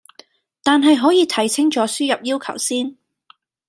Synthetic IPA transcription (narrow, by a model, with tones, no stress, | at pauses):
t̪aː˨nɦɐ˨jɦɔː˨˥jiː˨˧t̪ʰɐ˨˩jt͡sʰɪ˥ŋt͡ʃɔː˨˥syː˥jɐ˨p̚jiː˥wkʰɐ̰˨˩wsiː˥n